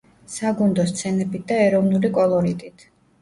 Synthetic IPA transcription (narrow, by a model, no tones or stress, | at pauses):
saɡund̪ɔst̪sʰɛnɛbit̪̚d̪aɛɾɔvnulikʼɔlˠɔɾit̪ʼit̪ʰ